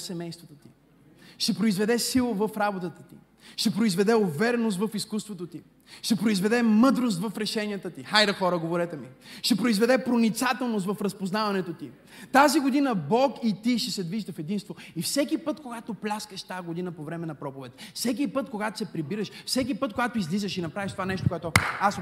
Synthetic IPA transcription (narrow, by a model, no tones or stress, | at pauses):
sɛmɛjst̪vot̪ot̪i | ʃt̪ɛpɾoizvɛd̪ɛsilˠovəfɾabot̪ət̪ə̥t̪ḭ | ʃt̪ɛpɾoizvɛd̪ɛovɛɾɛnost̪vɐfiskust̪vot̪ot̪i | ʃt̪ɛpɾoizvɛd̪ɛmɤd̪ɾos̬t̪vɐfɾɛʃɛniət̪ət̪ixajd̪əxɔɾəɡovoɾɛt̪ɛmiʃt̪ɛpɾoizvɛd̪ɛpɾonit̪sat̪ɛlˠnost̪vɐfɾɐspoznavɐnɛt̪ot̪i | t̪aziɡod̪inəbɔkit̪iʃt̪ɛsɛd̪viʒd̪əfɛd̪inst̪voifsɛkipət̪koɡat̪oplʲaskəʃt̪aɡod̪inəpovɾɛmɛnɐpɾɔpovɛt̪̚fsɛk̬ipɤt̪koɡat̪o̥sɛpɾibiɾəʃfsɛk̬ipɤt̪koɡat̪oizlizəʃinɐpɾaviʃt̪ovanɛʃt̪okoʊɛt̪oas